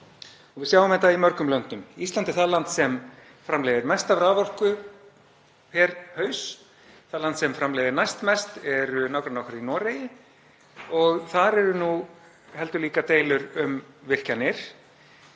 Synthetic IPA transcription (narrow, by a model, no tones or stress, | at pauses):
ɔɣvɪðsjawvʏmɛht̪aimœɾkʏmlœn̥t̪ʏmist̪lant̪ɪθaðlant̪sɛm | fɾamlejðɪɾmɛst̪avɾavɔl̥kʏ | pʰɛɾhœːɥs | θaðlant̪sɛmfɾamlejðɪɾnajst̪mɛst̪ɛɾʏnawkɾanɔwkaɾinɔːɾejɪ | ɔɣθaɾɛɾʏnu | hɛl̪t̪ʏliːkat̪eːjlʏɾʏmvɪr̥canɪɾ̥